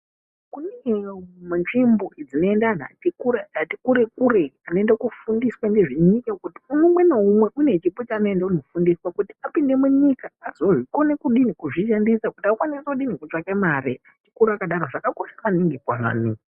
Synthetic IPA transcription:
kunemanʐimboid͡zino̞endana̰tikuɾaatikuɾe̞k̚ureano̞endakufundiswandeʐiɲikekutiunumwe̞noumwe̞ʔune̞t͡ʃipot͡ʃaːno̞endakuno̞fundiswakutiapinde̞muɲikaːzoʐikonekuɗinikuʐiʃandisakutiakwaniseuɗinikut͡ʂakemaɾiatikuɾakaɗaɾoʐakako̞ʃaʋaniŋɡekwaʋa̰ːni

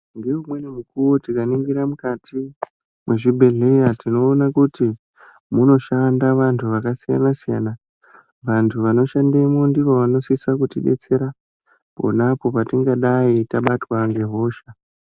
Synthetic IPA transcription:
ŋɡe̞umwe̞nemukuwotikaniŋɡiɾamukatʰi | mwe̞ʐibʱe̞ɮe̞jatino̞ːnakuti | muno̞ʃandaʋantʰuʋakasija̰nasija̰na | ʋantʰuʋano̞ʃandeimondiʋoʋano̞sisakutiɗe̞̰t͡se̞ɾa | po̞̰napo̞patiŋɡaɗaitaɓatwaŋɡe̞ɦo̞ːʃa

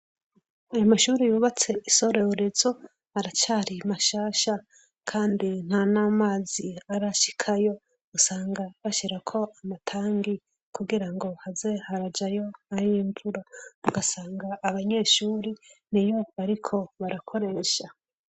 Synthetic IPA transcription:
ajomaʃuːɾijuːβat͡se̞iso̞ɾe̞oɾe̞zo | haɾat͡ʃaːɾimaʃaːʃa | kʰaːndin̥hanaːmaːziaɾaʃi̥kʰajo̞ | usaːŋɡaβaʃiɾakʰo̞ʔamatʰaːŋɡi | kuɡiɾaŋɡo̞hazehaɾad͡ʒajo̞aɾiːɱvuɾauɡasaːŋɡaːβaɲe̞ːʃuːɾinijo̞βaɾikʰo̞βaɾakʰo̞ɾe̞ʃa

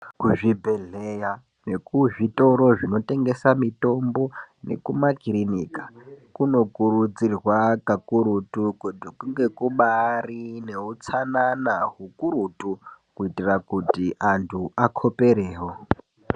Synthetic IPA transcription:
kuʐibʱe̞ɮeja | ne̞kuʐito̞ɾo̞ʐino̞te̞ŋɡe̞samito̞mbo̞ne̞̰kumakirinikḁkuno̞kuɾud͡zirwakakuɾutukutikuŋɡe̞kuɓarine̞ut͡sananaɦukuɾutukuitirakutiʔantʰuakʰo̞pe̞ɾeːɦo

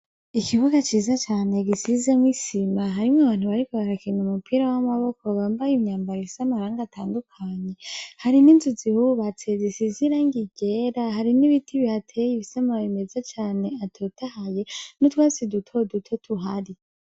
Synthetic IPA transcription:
ikʰiβuɡat͡ʃiːzat͡ʃaːne̞ɡisizemwisimaɦaɾimŋwaβaːn̥huβaɾikoβaɾakinumupʰiɾawamaβo̞koβaːmbajimɲaːmbaɾisamahaɾaːŋɡatʰaːndukʰaːɲe̞haɾininzuzihuβat͡sezisiziɾaŋɡiɡeɾaɦaɾiniβitʰiβihatʰejiβisamaβime̞zat͡ʃaːne̞atʰotahaje̞notwaːsidutʰo̞dutʰotʰuɦaɾi

